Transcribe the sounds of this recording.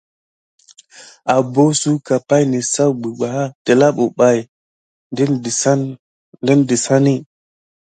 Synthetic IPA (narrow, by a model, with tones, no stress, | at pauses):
a˨bo˦su˦ka˨pa˦jni˨sa˦wɡ͡bi˨ɡ͡ba˨ha˦te˨la˦ɓo˨ɓa˨j | d | di˦ndi˨sa˦ni˦